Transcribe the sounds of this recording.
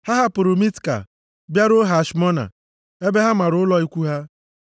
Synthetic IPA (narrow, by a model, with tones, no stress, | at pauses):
ha˦ɦa˦pʊ˨ɾʊ˨mi˦tka̰˨ | bja˦ɾʊ˦ɦa˨ʃmɔ˦na̰˨ | e˦be˦ɦa˦ma˨ɾʊ˨ʊ˦lɔ˦i˦kʷu˦ɦa˦